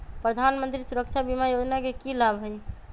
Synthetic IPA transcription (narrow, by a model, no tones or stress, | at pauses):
pɾəd̪ʱanmənt̪ɾisuɾək̚t͡ʃʰabimajod͡ʒnakekilabɦoj